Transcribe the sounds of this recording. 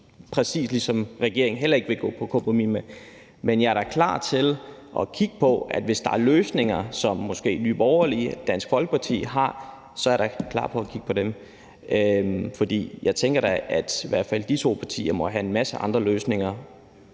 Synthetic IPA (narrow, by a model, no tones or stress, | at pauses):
pʰʁɛsḭːslisɒ̽mʁɛɡ̥e̝ɐ̰e̝ŋ̩ɦel̰ɐe̝ɡ̥ʋe̝ɡ̥ɔ̰ːpʰɒ̽kʰɔmpʁomimə | menjɑ̈æɐɾ̥ɑ̈kʰlɑ̰̈ːt͡sʰe̝l | ʔɒ̽kʰiɡ̥ə̥pʰɒ̽æd̥ʋe̝sd̥ɑ̈æɐløːsne̝ŋɐsɒ̽mːɒ̽sɡ̥e̝̰ːnyːb̥ɒʊɐlid̥æn̰sɡ̥fɒ̽lɡ̥ə̥pʰɑ̈t͡sʰḭːɦɑ̈ | sɒ̽æɐɾ̥ɑ̈kʰlɑ̰̈ːpʰɒ̽ækʰiɡ̥ə̥pʰɒ̽ɾem | fɒ̽d̥ḭːjɑ̈ɪt͡sʰeŋɡ̥ɐɾ̥ɑʔæd̥iʋæɐ̰d̥fæl̰d̥it͡sʰo̝̰ːpʰɑ̈t͡sʰḭːɐmɒ̽ɦæe̝nmæsəɑ̈nd̥ʁɐløːsne̝ŋɐ